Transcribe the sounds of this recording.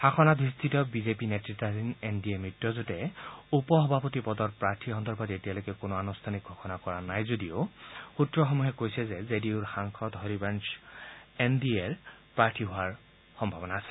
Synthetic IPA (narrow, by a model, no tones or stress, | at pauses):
haxʰɔnadʱɹistʰitɔbizepinetɹitːadinendiemɹitːɔzotɛupɔɦɔbʱapɔtipɔdɔtpɹaɹtʰiɦɔnd̪ɔɹbʱɔdetialokɛkonoanustʰanik̚ɡʱɔxɔnakɔɹanajzodioxutɹɔxɔmuɦɛkojsɛzɛzediʊɹxaŋkʰɔtɦɔɹibans | endieɹpɹaɹtʰiɦoaɹ | xɔmbʱabɔnaːsɛ̥